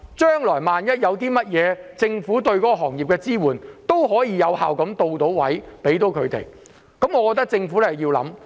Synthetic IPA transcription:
t͡ʃœː˥ŋlɔː˨˩jmaː˨njɐ˥t̚jɐ˨˧wt̪iː˥mɐ˥t̚jɛː˨˧t͡sɪ˧ŋfuː˨˥t̪ɵ˧ɥkɔː˨˥kɔ˧ɦɔː˨˩ŋjiː˨pkɛː˧t͡siː˥wuː˨˩nt̪o˥wɦɔː˨˥jiː˨˧jɐ˨˧wha̰ː˨wkɐ˨˥mt̪o˧wt̪o˨˥wwɐ˨˥jpe˨˥jt̪o˨˥wkʰɵ˨˧ɥt̪ḛ˨j | kɐ˨˥mŋɔ˨˧kɔː˧t̪ɐ˥k̚t͡sɪ˧ŋfu˨˥lɛ˥hɐ˨jiː˧wlɐ˨˥m

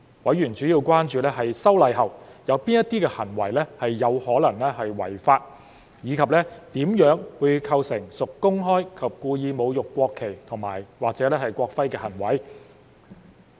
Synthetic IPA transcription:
wɐ˨˥jɥyː˨˩nt͡ʃyː˨˥jiː˧wkʷaː˥nt͡ʃyː˨˧lɛː˥ɦɐ˨jsɐ˥wlɐ˨˧jɦɐ˨˩wjɐ˨˧wpiː˥njɐ˥t̪iː˥kɛː˧hɐ˨˩nwɐ̰˨˩jlɛː˥hɐ˨jːɐ˨˧whɔː˨˥lɐ˨˩ŋlɛː˥hɐ˨jwɐ̰˨˩jfaː˧t̚ | jiː˨˧kʰɐ˨p̚lɛː˥t̪iː˨˥mjœː˨˥ŋwuː˨˧jkʰɐ˧wsɪ˨˩ŋsʊ˨kːʊ˥ŋɦɔː˥jkʰɐ˨p̚kuː˧jiː˨˧mo˨˧wjʊ˨kːʷɔː˧kʰːe˨˩jt̪ʰʊ˨˩ŋma̰ː˨˩jwaː˨k̚t͡sɛː˨˧˥lɛː˥hɐ˨jkʷɔː˧k̚fɐ˥jkɛː˧hɐ˨˩nwɐ˨˥j

